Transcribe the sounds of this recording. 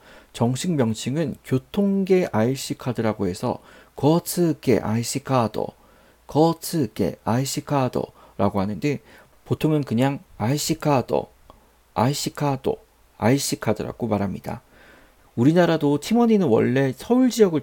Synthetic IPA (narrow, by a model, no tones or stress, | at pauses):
t͡ɕʌŋɕʰiŋmjʌŋɕʰiŋɯnkjotʰoŋɡe̞ʔaiɕ͈ikʰadɯɾaɡoɦe̞sʰʌ̰kʌsʰɯɡe̞̰ʔa̰iɕ͈ikʰadʌ̰ | kʌsʰɯɡe̞̰aiɕ͈ikʰadʌ̰ | ɾaɡoɦanɯnde̞ | potʰoŋɯnkɯɲaŋaiɕ͈ikʰadʌ̰ | a̰iɕ͈ikʰado̰ | a̰iɕ͈ikʰadɯɾa̰ɡ̥omaɾɦamɲida̰ | uɾinaɾadotʰimʌɲinɯnwʌ̰ɭːe̞sʰʌuɭd͡ʑiʌɡɯɭ